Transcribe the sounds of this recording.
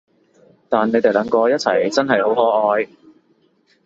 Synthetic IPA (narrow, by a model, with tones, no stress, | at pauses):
t̪aː˨nːe˨˧jt̪e˨jlɐ˨˧˥ŋkɔː˧jɐ˥t̚t͡sʰɐ̰˨˩jt͡sɐ˥nɦɐ˨jho˨˥whɔː˨˥ʔɔː˨˧j